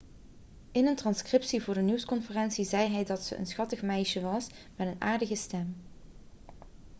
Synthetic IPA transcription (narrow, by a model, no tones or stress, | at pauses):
ɪnəntrɑnskrɪpsivʊːɹdənuwskɔnfərɛnsizɛjɦɛjdɑtsə̰ʔə̰nsχɑtəχmɛjʃəʋɑs | mɛtəna̰ːɹdəɣəstɛm